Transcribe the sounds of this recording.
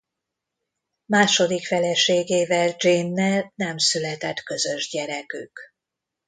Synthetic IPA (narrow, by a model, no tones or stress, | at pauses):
maːʃo̞d̪ikfɛlɛʃeːɡeːvɛld͡ʒinːɛlnɛmsylɛt̪ɛt̪kø̞zøʒɟɛɾɛkyk